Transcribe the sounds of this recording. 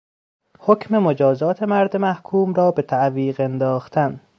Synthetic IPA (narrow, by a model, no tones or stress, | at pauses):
hocʰme̞mod͡ʒɒːzɒːt̪ʰe̞mæɾd̪emæhkʰuːmɾɒːbe̞t̪ʰæʔviːɢend̪ɒːxt̪ʰæn